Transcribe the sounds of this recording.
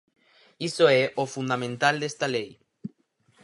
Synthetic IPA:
isoeʔofund̪amẽnt̪ald̪est̪alej

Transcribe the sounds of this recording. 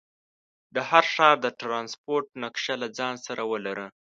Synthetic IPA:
d̪əhaɾʂɑɾd̪əʈɾɑnspoɾʈnakʃalad͡zɑnsaɾawəlaɾə

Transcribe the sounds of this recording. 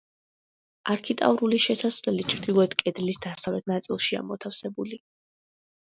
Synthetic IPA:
aɾkʰit̪ʼa̰vɾuliʃɛsasvlɛlit͡ʃʰvɾd̪̥ilˠɔɛt̪kʼɛd̪lisd̪asavlɛt̪̚ʰnat̪sʼilˠʃia̰mɔt̪ʰafsɛbuli

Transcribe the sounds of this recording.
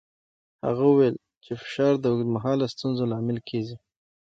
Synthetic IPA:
ha̰ɣauwel | t͡ʃefɪ̥ʃɑɾd̪əmaɦɑlast̪unzolɑmɪlkʰezi

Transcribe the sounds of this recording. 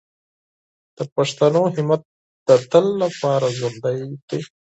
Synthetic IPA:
d̪̥əpaʂt̪ɐnoɦɪmat̪̚ | d̪̥ət̪əlːapɑːɾazond̪ajd̪e

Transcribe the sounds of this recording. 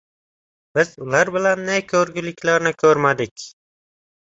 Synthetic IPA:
b̥ɪzʊlaɾbɪlanːajkʲʰɵɾɡʲɪlɪkʲlaɾnɪkʲʰɵɾmad̪ɪkʲ

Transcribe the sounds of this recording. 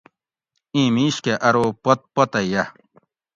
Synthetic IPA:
ĩːmiːɕkeʔɐɾoːpɐt̪̚pɐt̪ɐjɐ

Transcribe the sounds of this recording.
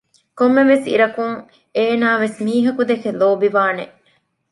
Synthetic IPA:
komːeʋesḭɾɐkuŋ | eːnaːʋesmiːɦɐkud̪ekeloːbiʋaːneʔ

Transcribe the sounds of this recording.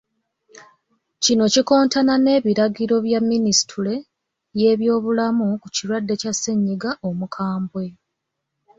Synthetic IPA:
cino̞ciko̞ːntanane̞ːβiɾaɡiɾo̞βjamːinisi̥tʰule̞ | je̞ːβjo̞ːβulamukuciɾwadːe̞casːeɲːiɡaʔomukʰaːmbwe

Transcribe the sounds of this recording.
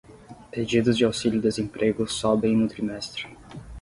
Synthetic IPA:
ped͡ʒid̪ʊzd͡ʒɪawsilʲʊd̪ezẽmpɾʔeɡʊsɔbẽj̃nʊt̪ɾimɛst̪ɾɪ̥

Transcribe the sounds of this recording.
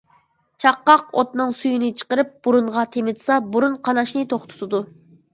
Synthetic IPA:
t͡ʃʰɑqːɑqot̪nɨŋsujinɪt͡ʃʰə̥qəɾɨp̚b̥uɾunʁɑt̪ʰemɪd̪sɑbuɾunqʰɑnɑʃnɨt̪ʰoχt̪ʰu̥t̪ʰɨd̪u

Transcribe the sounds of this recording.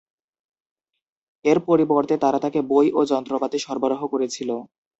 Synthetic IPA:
eɾpoɾibɔɾt̪et̪aɾat̪akebojʔod͡ʑɔnt̪ɾobat̪eʃɔɾboɾoɦokoɾet͡ɕʰilo

